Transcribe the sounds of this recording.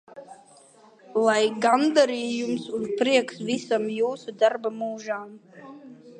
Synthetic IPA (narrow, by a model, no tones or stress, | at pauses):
lˠajɡand̪aɾiːjumsuzpɾiɛksvisamjuːsud̪aɾbamuːʒaːm